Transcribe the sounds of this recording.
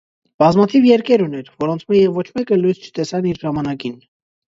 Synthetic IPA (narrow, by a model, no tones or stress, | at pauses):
b̥ɑzmɑt̪ʰivjɛɾkɛɾunɛɾvɔɾɔnt͡sʰmɛjɛvɔt͡ʃʰmɛkəlujzt͡ʃʰə̥t̪ɛsɑniɾʒɑmɑnɑkin